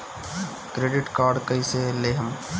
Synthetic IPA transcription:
kɾeːɖɪʈkaːɾɖkəĩseleːɦəm

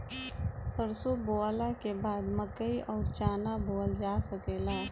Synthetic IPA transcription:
səɾsoboːalakebaːd̪məkːəiʔɔːɾt͡ʃaːnaboːld͡ʒaːsəkeːlaː

